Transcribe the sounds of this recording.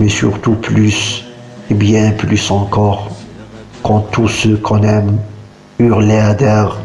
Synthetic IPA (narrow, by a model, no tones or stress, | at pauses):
mɛsy̰ʁt̪uplys | ebjɛ̃plysɑ̃kɔʁ | kɔ̃t̪usøkʰɔ̃nɛm | yʁlead̪ɛʁ